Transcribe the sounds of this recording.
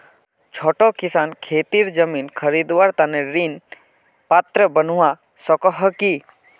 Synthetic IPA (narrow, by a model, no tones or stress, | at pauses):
t͡ʃʰoːʈokisankʰeːt̪iɾd͡ʒəminkʰəɾid̪waɾt̪aneɾin | pat̪ɾəbənuwa | sɔkɔɦəki